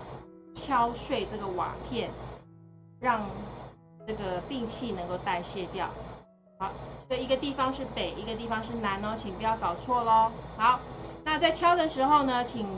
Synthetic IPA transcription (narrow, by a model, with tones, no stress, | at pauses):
t͡ɕʰjɑ˦ʊʂwe˥˧ɪʈ͡ʂɤ˥˩ɡə˩wa̰˨˩pʰjɛ˥˨n | ɻɑ˥˧ŋ | ʈ͡ʂɤ˥˩ɡə˩pi˥˧ŋt͡ɕʰi˥˨nə˧˦ŋko˥˧ʊt̪a˥˧ɪɕjɛ˥˧t̪jɑ˥˨ʊ | ha˧˦ʊswɔ˧˥i˨˩i˧˥ɡə˧t̪i˥˧fɑ˧ŋʂɻ̩˥˩pe˨˩ɪʔi˧˥ɡə˧t̪̬i˥˩fɑ˧ŋʂɻ̩˥˩na˧˦nɔ˧˦t͡ɕʰi˨˩ŋpu˧˩t͡ɕjɑ˥˩ʊkɑ˨˩ʊt͡sʰwɔ˥˩lə˦hɑ˧˦ʊna˥˧t͡sa˥˧ɪt͡ɕʰjɑ˥ʊd̪ə˨ʂɻ̩˧˥xo˥˩ʊnə˦t͡ɕʰi˨˩ŋ